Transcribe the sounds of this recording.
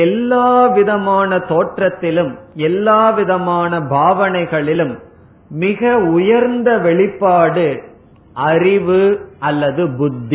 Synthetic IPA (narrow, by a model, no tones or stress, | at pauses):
ɛlːaːʋɪðɐmaːnɐt̪oːʈrɐt̪ːɪlɯmɛlːaːʋɪðɐmaːnɐbʱaːʋɐnɐɪɣɐɭɪlɯmː | ɪɣɐʊjɐɾnd̪ɐʋɛɭɪpːaːɽɯ | ʔɐɾɪʋɯɐlːɐðɯbʊd̪ʱːi